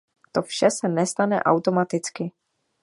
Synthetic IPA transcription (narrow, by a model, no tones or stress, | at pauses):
t̪ofʃɛsɛnɛst̪anɛ̰ʔa̰wt̪o̞mat̪ɪt͡skɪ